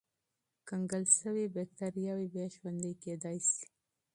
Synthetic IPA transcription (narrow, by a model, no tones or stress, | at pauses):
kaŋɡəlʃəwibak̚t̪aɾijɑwibjaʃwand̪əjked̪ɑjsi̥